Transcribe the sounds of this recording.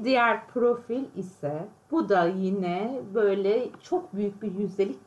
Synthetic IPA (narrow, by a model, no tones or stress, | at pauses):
d̪ijæɾpʰɾo̞filʲisɛb̥ud̪ajinɛbø̞jlʲɛt͡ʃʰok̚byjyc̚ʲbiɾjyzʲelʲic